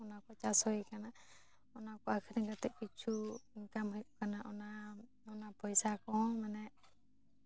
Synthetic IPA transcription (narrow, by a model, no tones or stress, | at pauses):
ɔnakɔt͡ʃasɔjkana | ɔnakɔakʰiɾɛŋkat̪ɛʔ̚kit͡ʃʰukamɦɔjʔkanaʔɔna | ɔnapɔjsakɔhɔ̃manɛ